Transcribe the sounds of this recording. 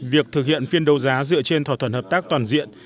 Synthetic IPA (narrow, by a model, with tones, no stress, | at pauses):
vi˨˩ək̚t̪ʰɨ˨˩k̚hḭ˧˨ənfi˧ənɗə˨˦wzaː˨˦zɨ̰˧˨ət͡ɕe˧nt̪wa˧˩t̪ʰə˧˩nhəː˨˩pt̪aː˦˥k̚t̪waː˨˩nzḭ˧˨ən